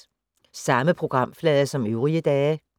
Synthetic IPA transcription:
sɑ̈məpʰʁo̝ɡ̥ʁɑ̈m̰flɛːðˠɐsɒ̽møʊʁiəd̥ɛː

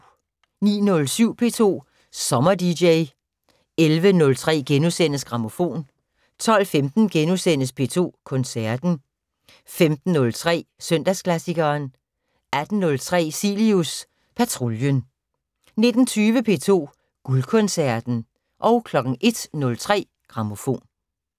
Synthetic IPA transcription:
nḭːnɔ̽lsyʊ̰pʰe̝̰ːt͡sʰo̝̰ː | sɒ̽mɐd̥ideɪ | elʋənɔ̽lt͡sʰʁɛ̰ːɡ̥enusen̰əsɡ̥ʁɑ̈mo̝fo̝̰ːn | t͡sʰɒ̽l̰femd̥n̩ɡ̥enusen̰əspʰe̝̰ːt͡sʰo̝̰ːkʰɔ̽nsæɐd̥n̩ | femd̥n̩ːɔ̽lt͡sʰʁɛ̰ːsœn̰d̥æskʰlæsiɡ̥ɐːn | æd̥n̩ːɔ̽lt͡sʰʁɛ̰ːsilius | pʰæt͡sʰʁo̝ljən | ne̝d̥n̩t͡sʰyːʋəpʰe̝̰ːt͡sʰo̝̰ː | ɡ̥ulkʰɔ̽nsæɐd̥n̩ | ʔɒ̽ʊkʰlɒ̽ɡ̥ŋ̩ʔe̝d̥nɔ̽lt͡sʰʁɛ̰ː | ɡ̥ʁɑ̈mo̝fo̝̰ːn

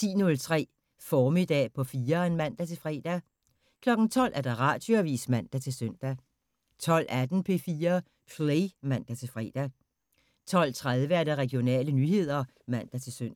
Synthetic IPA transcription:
t͡sʰḭːnɔ̽lt͡sʰʁɛ̰ː | fɒːmid̥ɛ̰ːpʰɒ̽fiːɐenmæn̰d̥æt͡sʰe̝lfʁɛ̰ːd̥æ | kʰlɒ̽ɡ̥n̩t͡sʰɒ̽l̰ʔæɐɾ̥ɑ̈ʁɑ̈d̥yɐʋḭːsmæn̰d̥æt͡sʰe̝lsøn̰d̥æ | t͡sʰɒ̽l̰ʔæd̥n̩pʰe̝fiːɐ | pʰleɪmæn̰d̥æt͡sʰe̝lfʁɛ̰ːd̥æ | t͡sʰɒ̽l̰t͡sʰʁaðˠʋəæɐɾ̥ɑʁɛɡ̥jo̝nɛ̰ːlənyːɦe̝ð̞̰ˠɐ | mæn̰d̥æt͡sʰe̝lsøn̰

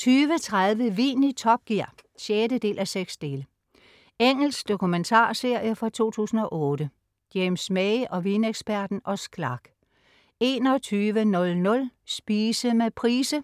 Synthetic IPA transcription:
t͡sʰyːʋət͡sʰʁað̞ˠʋəʋḭːnit͡sʰɒ̽b̥̚ɡ̥iɐ̰ɕeːdəd̥e̝̰ːlʔæseɡ̥sd̥e̝ːlə | eŋ̰l̩sɡ̥d̥o̝kʰument͡sʰɑ̰̈ːse̝ɐ̰jəfɒt͡sʰo̝̰ːt͡sʰṵːsn̩ɒ̽ʔɔ̽ːd̥ə | ɡ̥jemsmɛɪʔɒ̽ʋineɡ̥sb̥æɐ̰d̥n̩ʔɒ̽sɡ̥lɑ̈ɡ̥ | e̝ːnɒ̽t͡sʰyːʋənɔ̽lnɔ̽lsb̥iːsəmepʰʁiːsə

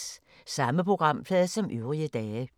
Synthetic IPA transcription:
sɑ̈məpʰʁo̝ɡ̥ʁɑ̈m̰pʰlɛːð̩ˠsɒ̽mʔyʊʁiəd̥ɛː

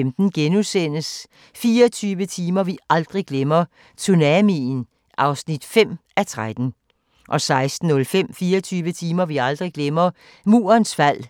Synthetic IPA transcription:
emd̥n̩ɡ̥enusen̰əs | fiːɐt͡sʰyːʋət͡sʰiːmɐʋiɑ̈ld̥ʁiɡ̥lemɐ | t͡sʰunæmin | ʔɑ̈ʊsnid̥fem̰ʔæt͡sʰʁad̥n̩ | ʔɒ̽sɑ̈ɪsd̥n̩ːɔ̽lfem̰fiːɐt͡sʰyːʋət͡sʰiːmɐʋiɑ̈ld̥ʁiɡ̥lemɐ | mṵːɐnsfæl̰

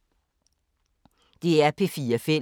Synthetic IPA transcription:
d̥e̝ːæɐpʰefiːɐfe

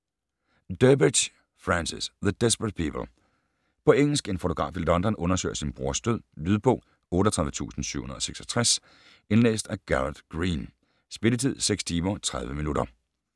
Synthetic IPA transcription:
d̥œbi̥ɕ | fʁɑnsisðəd̥esb̥ʁəd̥̚pʰiːpʰəl̩ˠ | pʰɒ̽eŋ̰l̩sɡ̥e̝nfo̝t͡sʰo̝ɡʁɑ̰̈ːfildɒ̽nd̥ɐnɔ̽nɐsø̰ɪ̰ɐsinb̥ʁuɐ̰sd̥øð̰ˠlyð̞ˠb̥ɔ̰̽ː | ɔ̽ːɾɒt͡sʰʁaðˠʋət͡sʰṵːsn̩sy̰ʊhunɐð̩ˠɒ̽seɡ̥sɒ̥t͡sʰʁas | e̝nlḛːsd̥æɡ̥æʁd̥ɡ̥ʁiːn | sb̥e̝lət͡sʰið̞̰ˠseɡ̥st͡sʰiːmɐt͡sʰʁɑ̈ð̞ˠʋəminuɾɐ

